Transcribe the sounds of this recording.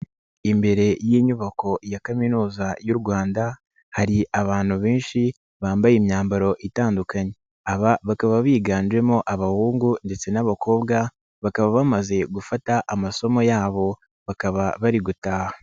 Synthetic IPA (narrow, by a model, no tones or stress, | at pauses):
imbe̞ɾe̞jiːɲuβako̞jakaminuːzajuɾɡwaːnda | haɾiʔaβaːn̥huβeːnʃi | βaːmbajemɲaːmbaɾo̞ʔitaːndukaɲe̞ | aβaβakaβaβiːɡaːnd͡ʒe̞mo̞ʔaβahuːŋɡunde̞t͡se̞naβako̞ːbɡa | βakaβaβamaze̞ɡufataʔamaso̞mo̞jaːβo̞ | βakaβaβaɾiɡutaːha